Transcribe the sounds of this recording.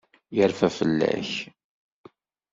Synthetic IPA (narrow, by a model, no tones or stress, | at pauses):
jəɾfæfəlːæ̰ç